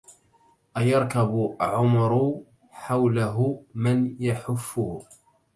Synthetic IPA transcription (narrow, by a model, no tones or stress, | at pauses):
ʔajɑɾˤkabʊʕʊmɾʊ | ħawlaɦʊmanjaħʊfːʊh